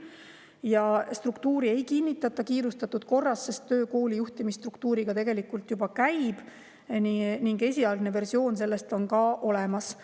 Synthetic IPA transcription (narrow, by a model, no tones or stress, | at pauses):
jɑst̪rukt̪uːɾie̞jkinːit̪ːˑɑt̪ːˑɑkiːɾust̪ɑt̪ːˑud̪̥ko̞rːɑsse̞st̪ːøːko̞ːlijuht̪imist̪rukt̪uːɾiɡ̥ɑt̪e̞ɡe̞likːˑult̪jubɑkæjb̥ | niniŋɡe̞sʲiɑld̪neve̞rsio̞ːnse̞lːe̞st̪o̞nkɑʔo̞lemɑs